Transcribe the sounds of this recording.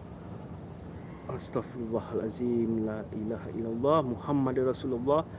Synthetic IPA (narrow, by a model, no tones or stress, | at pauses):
ʔast̪ɑɣfɪɾʊlˤːɑːhalʔaziːmlaːʔɪlaːhaʔɪlːalˤːɑːhmʊhamːad̪rˤɑsuːlɑlˤːɑːh